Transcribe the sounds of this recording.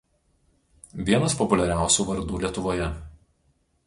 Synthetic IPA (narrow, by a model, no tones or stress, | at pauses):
ʋʲiɛnɐspɔpʊlʲɛɾʲæˑʊsʲuːʋɐɾd̪uːlʲiɛt̪ʊʋoːjɛ